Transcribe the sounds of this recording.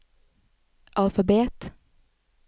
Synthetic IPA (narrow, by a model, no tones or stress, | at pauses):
ʔɑlfɑbeːt̪